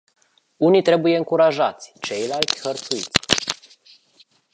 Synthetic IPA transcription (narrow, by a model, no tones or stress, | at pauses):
unit̪ɾe̞buje̞ɨŋkuɾaʒat̪sʲt͡ʃe̞jlalt̪sʲxərt̪suḭt̪sʲ